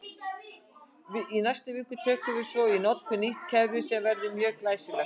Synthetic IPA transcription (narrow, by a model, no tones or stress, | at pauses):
vɪinajst̪ʏvɪːkʏ̥t̪ʰœːkʏvɪsvɔinɔt̪kʏniht̪cʰɛðɾʏsɛmvɛɾðɪmjœːɣklaːjsɪvɛ